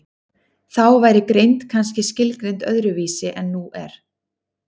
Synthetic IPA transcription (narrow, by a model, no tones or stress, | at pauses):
θawvaːjɾɪkɾejnt̪kʰans̬cɪscɪlkɾejnt̪œðɾʏviːsɪʔɛnːuʔɛ̰ɾ̥